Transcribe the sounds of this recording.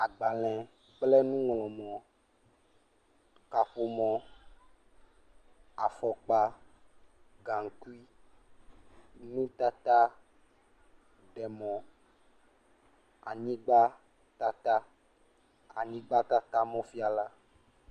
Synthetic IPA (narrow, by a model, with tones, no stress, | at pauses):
a˨ɡ͡ba˨l̃ɛ̃˨ | k͡plɛ˦nũ˦ŋlɔ̃˨mɔ̃˨ | ka˨ɸo˨mɔ̃˨ | a̰˨fɔ˨k͡pa˦ | ɡa˨ŋ˨ku˦i˦ | nũ˦t̪a˦t̪a˦ | ɖɛ˨mɔ̃˨ | a˨ɲĩ˦ɡ͡ba˦ | t̪a˦t̪a˦ | a˨ɲĩ˦ɡ͡ba˦t̪a˦t̪a˦mɔ̃˦fi˦a˨la˦